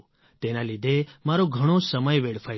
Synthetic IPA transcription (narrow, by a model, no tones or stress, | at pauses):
t̪enalid̪ʱemaɾoɡʱəɽ̃osəməjʋeɽfʰa